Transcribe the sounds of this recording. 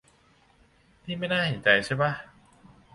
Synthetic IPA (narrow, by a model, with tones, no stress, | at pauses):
niː˥˩ma˥˩jnaː˥˩he˨˩˦nt͡ɕa˧jt͡ɕʰa˥˩jba˦˥˩